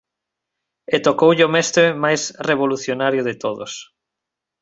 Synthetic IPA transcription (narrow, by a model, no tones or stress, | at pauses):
et̪okowʎomɛst̪ɾemajsreβ̞oluθjonaɾjʊðɪt̪oðʊ̰s